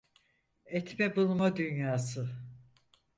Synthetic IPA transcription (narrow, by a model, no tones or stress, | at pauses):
ɛt̪mɛbulˠmad̪ynjaːsɯ